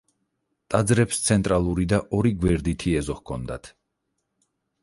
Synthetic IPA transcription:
t̪ʼad̪zɾɛpst̪sʰɛnt̪ʼɾalˠuɾid̪aʔɔɾiɡwɛɾd̪it̪ʰiɛzɔhkʰɔnd̪a̰t̪ʰ

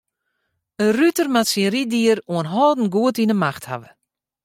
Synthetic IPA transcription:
ərytərmatsinridiəruənɦɔːdn̩ɡuətinəmaxtha̰ʋə

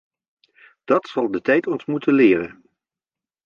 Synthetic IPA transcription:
d̥ɑtsɑlˠdətɛjtɔntmutənlɪːrə̰n

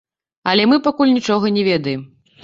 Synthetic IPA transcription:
ɐlʲɛmɨpakulʲnʲit͡ʂɔɣɐnʲɛvʲɛd̪ɐjɛm

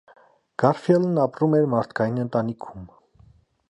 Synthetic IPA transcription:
ɡ̥ɑɾfjɛlnɑpɾumɛɾmɑɾt̪ʰkʰɑjinənt̪ɑnikʰum

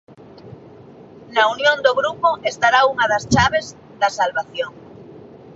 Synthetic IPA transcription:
naunjõnd̪oɣɾupoest̪aɾauŋaðast͡ʃaβ̞ez | ðasalβaθjoŋ

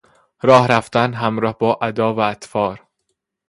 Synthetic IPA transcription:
ɾɒːhɾæft̪ænɦæmɾɒːhbɒːʔæd̪ɒːvæːt̪fɒːɾ

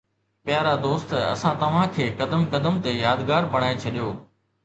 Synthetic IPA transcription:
pjaːɾad̪oːst̪ɐ̰sãt̪ɐʋ̤ãkʰeːkɐd̪əmkɐd̪əmt̪ejaːd̪ɡaːɾbɐɽ̃aːet͡ɕʰɐɗijoː

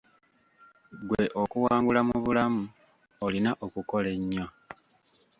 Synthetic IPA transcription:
ɡwe̞ʔo̞kuwaːŋɡulamuβulamu | olinaʔokuko̞le̞ɲːo

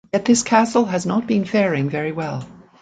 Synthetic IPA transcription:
jɛt̪̚ðɪskʰæsl̩ˠɨznət̚b̥ɨ̃nfɛɹɪ̃ŋvɛɹiwɛlˠ

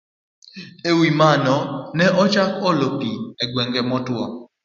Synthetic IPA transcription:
ewimanɔnɛʔɔt͡ʃakɔlopiɛɡwɛŋɡɛmɔtwɔ

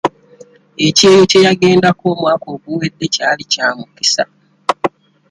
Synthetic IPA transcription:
e̞ce̞ːjo̞ce̞jaɡe̞ːndako̞ːmwaːko̞ːɡuwe̞dːe̞caːlicaːmuki̥sa̰

